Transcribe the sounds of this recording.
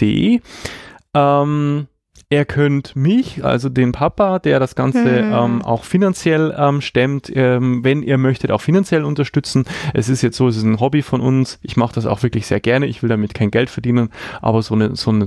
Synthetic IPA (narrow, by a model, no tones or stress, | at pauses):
d̥ḛː | ʔɛːm | ʔeːɐkʰœntmɪçʔa̰lzodeːnpʰapad̥eːɐɾasɡ̥ant͡səʔɛːmʔa̰ʊxfinant͡sjɛlʔɛːmʃtɛmtʰɛmvɛnʔḭːɐmœçtəta̰ʊxfinant͡sjɛlʊntɐʃtʏt͡sn̩ʔɛsɪstjɛt͡stz̥oːɛs̬ɪstnɦɔbifɔnʔʊ̰nsʔɪçmaχəd̥as̬a̰ʊxv̥ɪɐklɪçz̥eːɐɡɛɐnəɪçv̥ɪldamɪtkʰaɪnɡɛltfɛɐdiːnənʔa̰ːbɐzoːnəz̥oːnə